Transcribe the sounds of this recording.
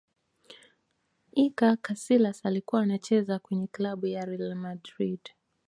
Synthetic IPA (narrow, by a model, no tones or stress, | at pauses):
ikakasilasalikuwaːnat͡ʃɛzakwɛɲɛklaɓujaɾilamadɾid